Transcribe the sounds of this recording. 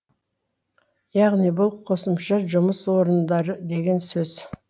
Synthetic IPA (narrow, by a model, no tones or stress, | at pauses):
jɑʁnijbʊlˠqʰo̞səmʃɑʒʊməswo̞ɾənd̪ɑɾəd̪e̞ɡʲe̞nsɵz̥